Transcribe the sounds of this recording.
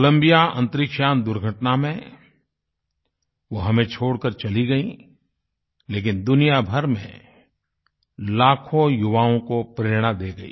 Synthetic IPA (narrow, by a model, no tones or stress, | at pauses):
klə̃mbijaʔɐ̃nt̪ɾɪkʃaːnd̪ʊɾɡʱəʈnamẽ | ʋoɦɐmẽt͡ʃʰoːɽkəɾt͡ʃɐliɡɐi | leːk̬ɪnd̪ʊnijabʱɐɾmḛ̃ | laːkʰõjʊʋaːõkopɾeːɾɽ̃ad̪eːɡɐḭː